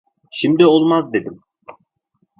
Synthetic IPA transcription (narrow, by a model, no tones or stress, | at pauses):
ʃimd̪iolˠmazd̪e̞d̪im